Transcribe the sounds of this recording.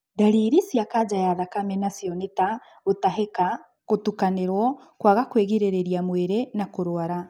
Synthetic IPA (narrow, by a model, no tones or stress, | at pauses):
daɾiɾisjakad͡ʒajaðakamɛnasjɔneta | otaɦeka | kotukaneɾwɔ | kwaɣakweɣiɾeɾeɾiamweɾenakoɾoaɾa